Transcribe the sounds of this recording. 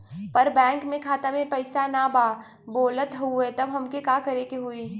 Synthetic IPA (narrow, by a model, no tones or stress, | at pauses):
pɐɾbɛ̃ːŋkmẽkʰaːt̪amẽpɐɪsanabaː | boːlət̪ɦuet̪ɐbɦɐmkekaːkɐɾekeɦuiː